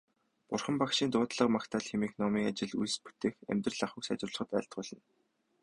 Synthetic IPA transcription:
pʊrχə̆mpakʃiːnt̪ʊːt̪ɮə̆qmakt̪ʰaːɮxemiːxnɔmiːŋat͡ɕɪ̆ɮujspu̥t̪eːxḛmʲt̪rə̆ɮaχwʊ̆ksa̰t͡ɕrʊ̆ɮə̆χə̆t̪æːɬt̪̚ɢʊːɮ̥ə̆n

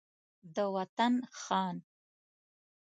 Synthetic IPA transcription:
d̪əwat̪anxɑːn

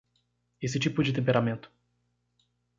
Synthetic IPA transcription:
esɪt͡ʃipʊd͡ʒɪt̪ẽmpeɾamẽnt̪ʊ̥

